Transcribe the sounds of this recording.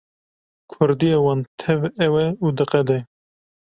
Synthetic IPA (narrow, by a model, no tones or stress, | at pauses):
kʰʊɾd̪ijewɑːnt̪ʰɛvɛwɛud̪ɨqɛd̪ɛ